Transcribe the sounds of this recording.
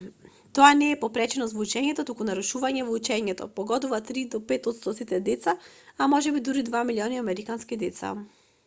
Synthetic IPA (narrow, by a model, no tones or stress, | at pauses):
t̪ɔanɛːpɔpɾɛt͡ʃɛnɔst̪vɔut͡ʃɛɲɛt̪ɔt̪ukunaɾuʃuvaɲɛvɔut͡ʃɛɲɛt̪ɔ̰pɔɡɔd̪uvat̪ɾid̪ɔpɛt̪ɔt̪st̪ɔsit̪ɛd̪ɛt̪saamɔʒɛbid̪uɾid̪vamilʲiɔniamɛɾikanskid̪ɛt̪sa̰